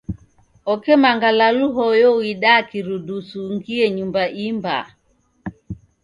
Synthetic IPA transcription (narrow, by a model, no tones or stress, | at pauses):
ɔkɛmaŋɡalaluɦɔjɔwiɗakiɾudusuŋɡiɛɲumbaʔimba̰